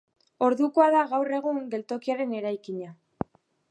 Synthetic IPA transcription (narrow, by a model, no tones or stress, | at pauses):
o̞ɾðuko̞aðaɣawre̞ɣ̞uŋɡe̞lt̪o̞kiaɾe̞ne̞ɾajkiɲa